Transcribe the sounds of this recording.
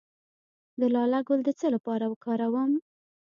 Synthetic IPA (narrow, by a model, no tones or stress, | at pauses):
d̪əlɑlaɡold̪ət͡səlapɑɾawəkɑɾawəm